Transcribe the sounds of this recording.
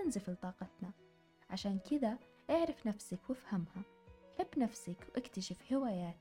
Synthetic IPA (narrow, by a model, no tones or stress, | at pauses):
ɪnzɪflt̪ˤɑːqɑt̪na | ʕaʃaːnkɪða | ʔaʕɾˤɑfnafsɪkwɪfhamha | ħɪbːnafsakwʔɪkt̪aʃɪfhɪwaːjaːt̪